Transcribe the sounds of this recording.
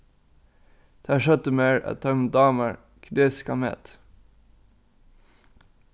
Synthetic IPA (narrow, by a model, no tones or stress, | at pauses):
d̪̥æːʃœt̪əmeːɹæ̰t̪ʰœmd̪ɑːməɹ | kʰd̪eːskɑmɛ̰t̪